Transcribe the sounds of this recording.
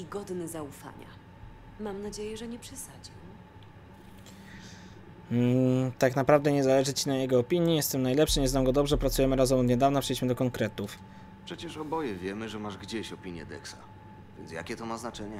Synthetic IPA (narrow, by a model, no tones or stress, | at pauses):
iɡɔd̪nɛzaufa̰ɲa̰ | mamnad͡ʑejɛʐɛɲɛpʂɛsad͡ʑim | t̪aknapɾavd̪ɛɲɛzalɛʐɘt͡ɕinajɛɡɔːpʲiɲjijɛst̪ɛmnajlɛpʂɘɲɛznamɡɔd̪ɔbʐɛpɾat̪sujɛmɘɾazɛmɔd̪ɲɛd̪avnapʂɛlʲiɕmɘd̪ɔkɔŋkɾɛt̪uf | pʂɛt͡ɕɛʂɔbɔjɛvʲjɛmɘʐɛmaʐɡd͡ʑeɕɔpʲiɲjɛ̰d̪ɛ̰ksa | vʲjɛ̰ntsja̰kʲɛt̪ɔmaznat͡ʂɛɲɛ